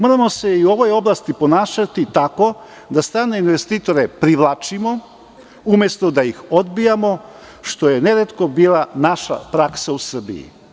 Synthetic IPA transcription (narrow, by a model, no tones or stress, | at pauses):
mo̞ɾamo̞se̞iuo̞ʋojo̞blˠast̪ipo̞naːʃat̪it̪ako̞ | d̪ast̪ɾaːne̞inʋest̪iːt̪o̞ɾe̞pɾiʋlˠaːt͡ʃimo̞ | umje̞st̪od̪aixo̞d̪bijamo̞ | ʃt̪o̞je̞ne̞ɾet̪ko̞biːlˠanaʃa̰pɾaksausr̩bḭḭ